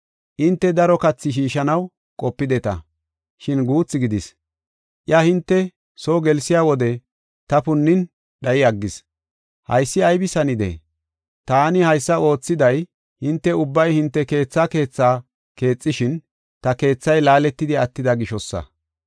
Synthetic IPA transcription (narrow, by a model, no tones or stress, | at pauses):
ʔɪnt̪ːɛd̪ɐɾɔkɐt͡sːɪʃ̬iːʃɐnɐw | kʼɔpːɪd̪ɛt̪ɐ̰ | ʃɪnɡuːt͡sːɪɡɪd̪ɪs | ʔjɐhɪnt̪ːɛ | soːɡɛlsɪjaːwɔd̪ɛ | t̪ɐpʊnːɪn | ɗɐjɪɐɡːɪs | hɐ̰jsːɪɐjbɪsɐnɪd̪ɛ̰ | t̪aːnɪhɐjsːɐo̞ːt͡sːɪd̪ɐj | hɪnt̪ːɛʊbːɐjhɪnt̪ːɛke̞ːt͡sːaːke̞ːt͡sːaː | ke̞ːt͡sʼːɪʃɪn | t̪ɐke̞ːt͡sːɐjlaːlɛt̪ːɪd̪ɪɐt̪ːɪd̪ɐɡɪʃɔsːɐ̰